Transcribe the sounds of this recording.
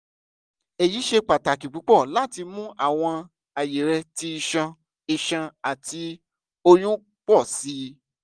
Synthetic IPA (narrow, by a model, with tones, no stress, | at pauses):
ɛ˨ji˨˦ʃe˧k͡pa˨ta˨ki˨k͡pu˨˦k͡pɔ˦˨la˦ti˧mũ˦a̰˦˨w̃ɔ̃˧ | a˨je˨ɾɛ˧ti˧i˧ʃã˧ | i˧ʃã˧a˨ti˧ | o˧jũ˦ | k͡pɔ˦˨si˨˦